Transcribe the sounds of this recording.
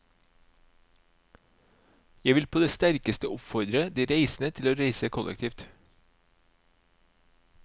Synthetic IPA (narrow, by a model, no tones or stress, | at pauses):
jæɪʋɪlpʰoːd̪eːst̪æɾkəst̪əʊpfɔɾd̪ɾəd̪iːɾeɪsn̩ət̪ʰɪloːɾeɪsəkʰʊlʔɛ̰kt̪ʰiːft̪